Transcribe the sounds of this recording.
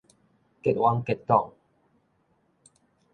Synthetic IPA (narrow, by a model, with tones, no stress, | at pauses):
kɛ˦t̚wa˦ŋkɛ˧t̚t̪ɔ˥˨ŋ